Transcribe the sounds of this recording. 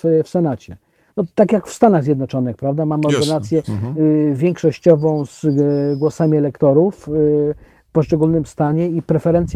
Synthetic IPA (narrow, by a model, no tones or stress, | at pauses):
fsɛnat͡ɕɛ | nɔt̪akʲjakfst̪anaɣzʲjɛd̪nɔt͡ʂɔnɘxpɾavd̪amamɔɾd̪ɛnat̪sʲjɛ | vʲjɛŋkʂɔɕt͡ɕɔvɔ̃w̃zɡwɔsamʲiɛlɛkt̪ɔɾuf | fpɔʂt͡ʂɛɡulnɘmst̪aɲɛipɾɛfɛɾɛnt̪sʲ